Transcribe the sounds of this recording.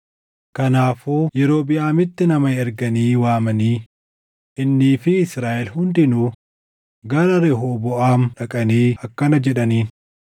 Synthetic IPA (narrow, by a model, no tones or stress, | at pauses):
kɐnaːfuːjɛɾo̞ːbɪjaːmɪt̪ːɪnɐmɐɛɾɡɐniːwaːmɐniː | ʔɪnːiːfɪɪsɾaːʔɛlhʊnd̪ɪnʊ | ɡɐɾɐɾɛɦoːbɔʔaːmᶑɐkʼɐniːɐkːɐnɐd͡ʒɛᶑɐniːn